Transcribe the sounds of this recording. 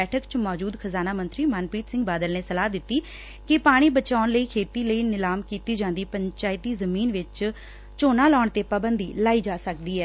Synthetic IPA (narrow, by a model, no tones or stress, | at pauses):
ɛːʈʰəkt͡ʃmɔːd͡ʒuːd̪xʰəzaːnaːmənt̪ɾiːmənpiːt̪sɪ̃ŋɡbaːd̪əlneːsəlaːd̪ɪt̪ːiː | kɪpaːɽ̃iːbət͡ʃaːnləiːkʰeːt̪iːləiːnɪlaːmkiːt̪iːd͡ʒãːnd̪iːpəɲt͡ʃaːɪt̪iːzəmiːnʋɪt͡ʃ | t͡ʃoːnaːlɔːɳt̪eːpaːbənd̪iːlaːiːd͡ʒaːsək̚d̪iːɛː